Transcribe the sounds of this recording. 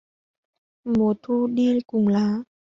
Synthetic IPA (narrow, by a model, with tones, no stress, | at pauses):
mo˨˩˦t̪ʰu˧ɗi˧kʊ˨˩ŋ͡mlaː˨˦